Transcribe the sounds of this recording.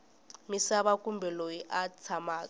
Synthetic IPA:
misaɓakʼumbʱɛlojiʔat͡sʰamaːkʼ

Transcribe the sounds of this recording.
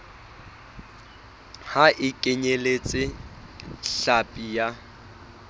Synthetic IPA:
haʔɪkʼɪɲelet͡sʼɪ | ɬapʼija

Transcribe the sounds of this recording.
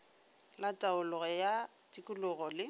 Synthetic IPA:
latʼaʊlʊɣɔja | tʼikʼʊlʊɣɔlɪ

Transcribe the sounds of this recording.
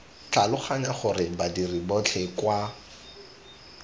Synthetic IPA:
t͡ɬalʊχaɲaχʊrɪbadiribɔt͡ɬʰɛkwa

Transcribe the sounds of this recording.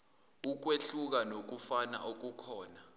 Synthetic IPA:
uk̬weɬuk̬anok̬ufana̰ʔok̬ukʰɔːna

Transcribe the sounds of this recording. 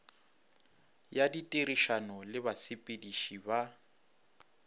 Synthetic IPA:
jaditʼeɾiʃanɔlɪbasipʼediʃiba

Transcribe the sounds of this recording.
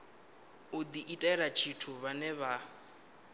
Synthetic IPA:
ʊd̪iʔitʼɛɛɾat͡ʃʰitʰuβanɛβa

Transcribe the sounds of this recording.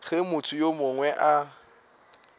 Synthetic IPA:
ɣemʊt͡sʰʊjomʊŋwɛʔa

